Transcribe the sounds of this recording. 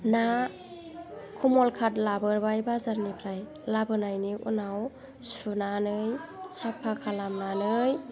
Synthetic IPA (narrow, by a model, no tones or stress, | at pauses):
na | kʰumɔlkʰatlabɯɾbajbazaɾnipʰɾaj | labɯnajniṵnaw | sunanɯjsapʰːakʰalamnanɯj